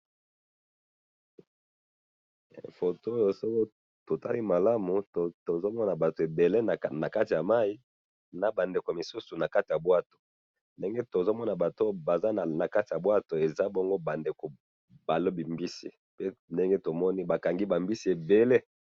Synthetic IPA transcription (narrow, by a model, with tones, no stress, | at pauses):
fo˨to˦o˦jo˨so˦ko˦ | to˨ta˦li˦ma˨la˦mu˨to˨to˨zo˦mɔ˦na˨ba˨to˨e˨be˨le˦n˨na˨ka˦ti˨ja˨ma˦i˦ | na˨ba˨nde˨ko˨mi˨su˦su˨na˨ka˦ti˨ja˨bwa˦to̥˨ | nde˦ŋɡe˦to˨zo˦mɔ˦na˨ba˨to˦ba˨za˦˨na˨ka˦ti˨ja˨bwa˦to˨e˨za˦bɔ˦ŋɡo˦ba˨nde˨ko˨ | ba˨lo˦bi˨mbi˦sḭ˦˨ | pe˦nde˦ŋɡe˦to˨mɔ˦ni˦ba˨ka˨ŋɡi˦ba˨mbi˦si˨˦e˨be˨le˦